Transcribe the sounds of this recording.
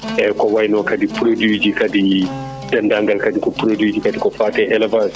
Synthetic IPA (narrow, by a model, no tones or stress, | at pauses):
ʔɛkɔwajnɔkadipɾodud͡ʒikadi | dandaŋɡalkadikɔpɾodud͡ʒikadikɔfaːtɛʔɛlɛvas